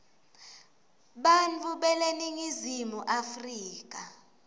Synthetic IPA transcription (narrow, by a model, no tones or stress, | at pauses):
ɓant͡fʰuɓɛleniŋizimuʔafriːk̬ʼa